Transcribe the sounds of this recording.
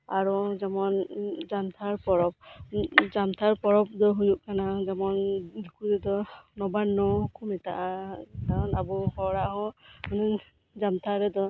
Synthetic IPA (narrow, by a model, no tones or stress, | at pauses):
aɹɔzamɔnzamt̪ʰaɹpɔɹɔp̚zamt̪ʰaɹpɔɹɔp̚d̪ɔɦujuʔkanazamɔndukudɛd̪ɔnɔbanːɔkʰumɛtaʔakaɔnabɔhɔɹaɦɔmanɛ | zamt̪ʰaɾɛd̪ɔ